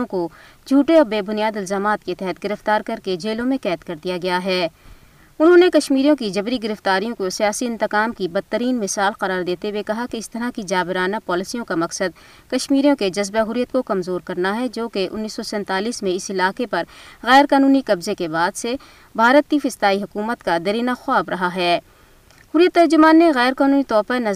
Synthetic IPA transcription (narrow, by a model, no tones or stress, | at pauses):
õkod͡ʒʱuːʈeɔːɾbeːbʊnijaːd̪ɪlzaːmaːt̪ket̪ɛɦɛt̪̚ɡɪɾəft̪aːɾkɐɾked͡ʒeːlõmẽkɛːt̪kɐɾd̪ijaɡɐjaɦɛː | ʊnɦõnekɐʃmiːɾijõkid͡ʒɐbɾiɡɪɾəft̪aːɾijõkosijaːsiɪ̃nt̪ɪqaːmkibɐd̪̚t̪ːəɾiːnmɪsaːlqɐɾaːɾd̪eːt̪ewekɐɦakeɪst̪ɐɾakid͡ʒaːbɪɾaːnapɔːlɪsijõkamɐksəd̪ | kɐʃmiːɾijõked͡ʒɐzbeɦʊɾijət̪kokɐmzoːɾkɐɾnaɦɛd͡ʒoːkeʔʊ̰nːiːsːɔsɛ̃ːnt̪aːliːsmẽɪsɪlaːqepɐɾɣɛːɾkaːnuːnikɐbzekebaːd̪se | bʱaːɾət̪ifɪst̪aːiɦʊkuːmət̪kad̪ɐɾiːnaxwaːbɾɐɦaɦɛː | hʊɾɪjət̪ːɐɾd͡ʒʊmaːnːeɣɛːɾkaːnuːnit̪ɔːfanɐ